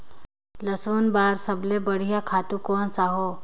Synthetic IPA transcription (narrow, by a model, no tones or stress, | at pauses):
ləsoːnbaːɾsəblebəɽ̤ijakʰaːt̪ũkoːnsaɦoː